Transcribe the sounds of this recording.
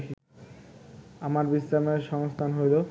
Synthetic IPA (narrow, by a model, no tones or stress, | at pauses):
ki | amaɾbisɾameɾʃɔŋost̪ʰanɦojlo